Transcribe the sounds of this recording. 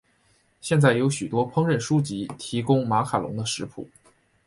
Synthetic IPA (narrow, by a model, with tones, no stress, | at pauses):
ɕjɛ˥˧nt͡sa˥˩ɪjo˧˥ʊɕy˨˩t̪wɔ˥pʰɤ˥ŋɻə˥˩nʂu˥t͡ɕi˧˥t̪ʰi˧˥kʊ˥ŋma˧˥kʰa˨˩lʊ̰˧˥ŋd̪ə˧ʂɻ̩˧˥pʰṵ˨˩˦